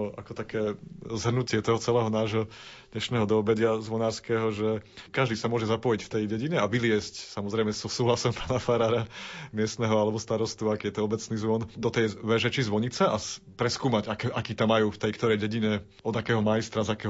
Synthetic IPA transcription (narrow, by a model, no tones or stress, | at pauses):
a̰kɔt̪akɛːzɦr̩nucɪɛt̪ɔɦɔt͡sɛlɛːɦɔnaːʒɦɔd̪ɲɛʃnɛːɦɔd̪ɔɔbɛɟɪazʋɔnaːɾskɛːɦɔʒɛkaʒd̪iːsamʊɔʒɛzapɔjicft̪ɛjɟɛɟiɲɛaʋilɪɛscsamɔzɾɛɪmɛsɔsuːɦlasɔmpaːnafaɾaːɾamɪɛst̪nɛɦɔalɛbɔst̪aɾɔst̪uakːjɛt̪ɔɔbɛt͡sniːzʋɔnd̪ɔt̪ɛjʋɛʒɛt͡ʃizʋɔɲit͡sɛʔapɾɛskuːmaɟakɛʔakiːt̪amːajuːft̪ɛjkt̪ɔɾɛjɟɛɟiɲɛ | ɔd̪akɛːɦɔmajist̪ɾazakɛːɦɔ